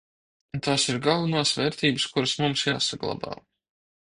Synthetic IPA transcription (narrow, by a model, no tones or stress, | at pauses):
t̪aːsiɾɡalˠvunaːsvɛːɾt̪iːbɨskuɾəsmumsjaːsaɡlˠa̰ba̰ː